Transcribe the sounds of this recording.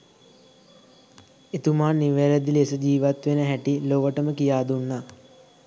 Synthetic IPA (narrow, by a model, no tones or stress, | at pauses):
et̪umaːnːiʋeɾed̪ilesəd͡ʒiːʋat̪ʋenəɦæʈiloʋəʈəməkijaːd̪unːa